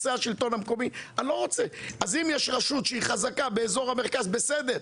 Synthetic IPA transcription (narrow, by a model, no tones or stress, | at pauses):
seaʃilt̪o̞namko̞mialo̞ʁot͡seʔazimjɛʃʁaʃut̪ʃeiχazakabe̞ezo̞ʁhame̞ʁkazbe̞sed̪eʁ